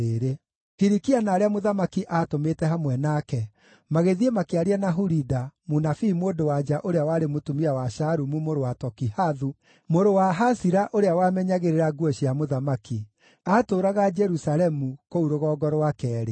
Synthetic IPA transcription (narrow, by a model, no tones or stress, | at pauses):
eɾe | hiɾikianaːɾeamoðamakiʔatometɛɦamwɛnakɛ | maɣeðiemakeaɾeanaɦuɾidamonafiːmwoːdowad͡ʒaʔoɾeawaɾemotumiawaʃaɾumumoɾowatɔkihaðu | moɾowaɦasiɾaʔoɾeawamɛɲaɣeɾeɾaɡwɔɕiamoðamaki | aːtoːɾaɣad͡ʒɛɾusalɛmukouɾoɣɔːɡɔɾowakɛːɾe